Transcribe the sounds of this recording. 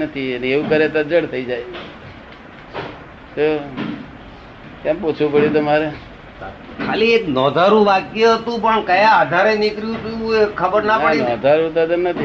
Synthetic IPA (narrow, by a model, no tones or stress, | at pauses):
nət̪ʰiəneeʋũkəɾet̪ad͡ʒəɽt̪ʰəid͡ʒaj | t̪o | t̪jampot͡ʃʰʋũpəɽut̪̬əmaɾe | kʰalienɔd̪ʱaɾũʋakjəɦət̪ũpəɳkəjaːd̪ʱaɾenikɾijũt̪ʰujũekʰəbəɾnapəɽinɔd̪ʱaɾut̪ad̪əmnət̪ʰi